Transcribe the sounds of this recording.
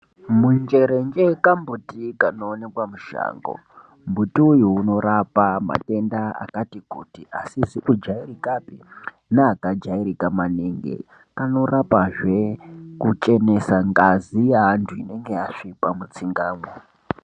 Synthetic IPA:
mund͡ʒe̞ɾe̞nd͡ʒekambutikanoːne̞kwamuʃa̰ːŋɡo̞̰ | mbutiujuːno̞ɾapama̰te̞ndaa̰katikṵtiʔasiziʔud͡ʒairikapi | neakad͡ʒaiɾikamaneŋɡe̞̰ | kano̞rapaʐe̞kut͡ʃe̞ne̞saŋɡazijaɦantʰuine̞ŋɡe̞aʂipamut͡siŋɡaːmwo

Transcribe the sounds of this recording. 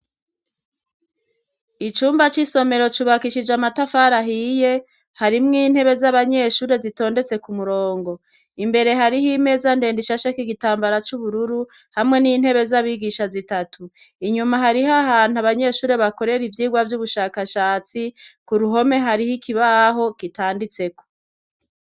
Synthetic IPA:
it͡ʃuːmbat͡ʃiso̞me̞ɾo̞t͡ʃuβakiʃid͡ʒamatafaɾaɦije̞ | haɾimŋiːn̥he̞βe̞zaβaɲe̞ʃuːɾe̞zito̞ːnde̞t͡se̞kumuɾo̞ːŋɡo̞ | imbe̞ɾe̞ɦaɾihime̞zandeːndiʃaʃakiɡitaːmbaɾat͡ʃuβuɾuɾu | hamŋe̞niːnhe̞βe̞zaβiɡiʃazitatʰu | iɲumaɦaɾiɦahaːn̥uaβaɲe̞ːʃuːɾe̞βako̞ɾe̞ɾivjiːɡwavjuβuʃaːkaʃaːt͡sikuɾuɦo̞me̞ɦaɾihikʰiβaɦo̞kitaːndit͡se̞ko̥

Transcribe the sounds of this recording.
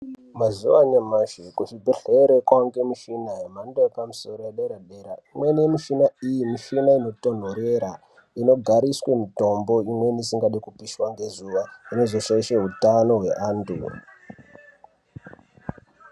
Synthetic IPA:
mazuʋaɲamaʃekuʃibʱeɬeɾekwaŋɡe̞miʃinaɦemandeepamuso̞ɾojeɗeɾaɗeɾaimwe̞nemiʃinaijimiʃinaino̞to̞n̤o̞ɾeɾa | ino̞ɡʱaɾiswe̞mito̞mbo̞imwenisiŋɡaɗekupiswaŋɡe̞zuʋaine̞zo̞ʃaiʃeɦutano̞ɦwe̞ʔaːntṵ

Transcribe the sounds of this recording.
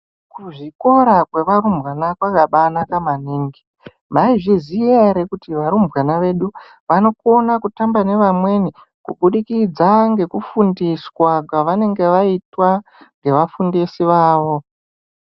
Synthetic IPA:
kuʐiko̞ɾakwe̞ʋaɾumbwanakwakaɓanakamaniːŋɡi̥ | maiʐiziaɾekutiʋaɾumbwanaʋe̞ɗu | ʋano̞konakutambane̞ʋamwe̞ni | kṵɓuɗikid͡zaŋɡe̞kufundiswakwaʋane̞ŋɡe̞ʋaitwa | ŋɡe̞ʋafundisiʋaːʋo̞

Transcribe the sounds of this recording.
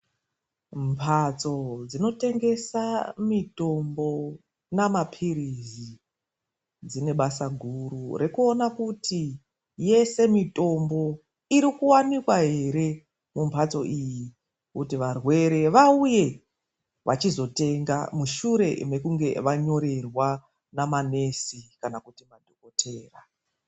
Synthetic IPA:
mpʰat͡so̞d͡zino̞te̞ŋɡe̞samito̞mbo̞ | namapʰiɾizzi | d͡zine̞ɓasaɡʱurure̞kuonakuti | je̞se̞mito̞mbo̞ | iɾikuwanikwaɦe̞ɾe̞ | mumbʰʱat͡so̞ʔiji | kutiʋarwe̞ɾe̞ʋauje̞ | ʋʔat͡ʃizo̞te̞ŋɡa̰muʃuɾe̞me̞kuŋɡe̞ʋaɲo̞ɾe̞rwa | namane̞sikanakutimadʱoko̞tʰe̞ːra

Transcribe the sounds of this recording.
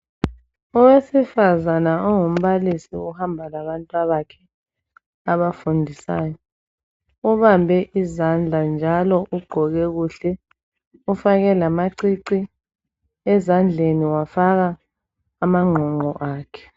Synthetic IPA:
uwesifazanaɔŋum̩βalisḭuhambʱalaβantʼwaβakʰɛ | aβafundʱisa̰ːjɔ | uβambʱɛʔizand͡ɮʱand͡ʒʱalɔʔuɡ͡ǃʱɔɣɛɣuɬɛ | ufaɣɛlamaǀiǀi | ɛzand͡ɮʱeniwafaɣaː | maŋ͡ǃʱɔŋ͡ǃʱɔ̰ʔaːkʰɛ̥

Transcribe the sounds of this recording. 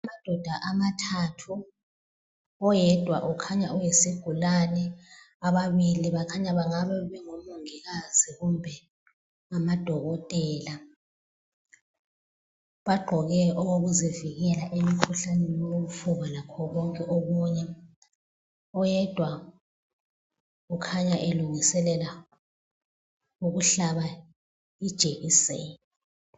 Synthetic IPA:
amad̥ʱɔd̥ʱaʔamatʰatʰu | ɔjɛd̥ʱwa̰ʔukʰaɲaɔjesiɡ̥ʱulanɛ | aβaβiliβakʰaɲaβaŋaβɛβɛŋomuŋiɣaz̥iɣumbʱɛ | ŋamad̥ʱɔɣɔtʼɛːla | βaɡ͡ǃʱɔɣɛʔɔɣoɣuziviɣɛlaʔemikʰuɬanɛjooɣufuβalakʰɔɣɔŋkʼɛʔoɣuɲɛ | ɔjɛd̥ʱwa | ɣukʰaɲaʔeluŋisɛlɛla | uɣuɬaβa | id̥ʒ̥ʱeɣiseːni

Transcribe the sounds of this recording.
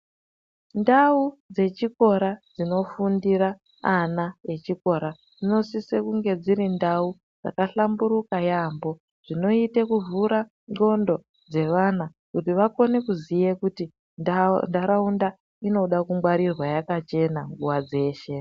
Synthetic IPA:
ndaud͡ze̞t͡ʃiko̞ɾad͡zino̞fundiɾaː | nae̞t͡ʃiko̞ɾa | d͡zino̞sisekuŋɡe̞d͡ziɾindau | d͡za̰kaɬambuɾukajambo̞ | ʐ̥ino̞itekuvuɾa | ŋɡo̞ndo̞ | d͡ze̞ʋana | kutiʋako̞ne̞kuzije̞kuti | ndaɾaunda | ino̞ɗakumɡwaɾirwajakat͡ʃe̞naŋɡuwad͡ze̞ːʃe̞

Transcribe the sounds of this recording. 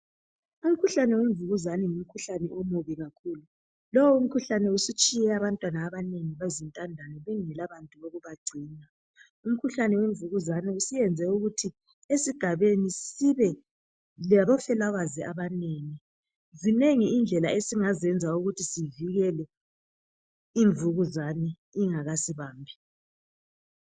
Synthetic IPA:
um̩kʰuɬanɛweɱvuɣuzanɛŋum̩kʰuɬanɛʔɔmoβiɣakʰuːlu | lɔwɔum̩kʰuɬanɛusit͡ʃʼijɛaβantʼwanaːβaneŋiβezintʼandʱanɛβɛŋɛlaβantʼuβoɣuβaɡ͡ǀʱiːna | um̩kʰuɬanɛweɱvuɣuzanɛusijɛnd͡zʱɛuɣutʰi | esiɡ̥ʱaβenisiβɛ | laβɔfɛlaɣwaziʔaβaneːŋi | zineŋiind͡ɮʱɛla̰esiŋazɛnd͡zʱauɣutʰisiviɣɛlɛ | iɱvuɣuzaniː | ŋaɣasiβaːmbʱi

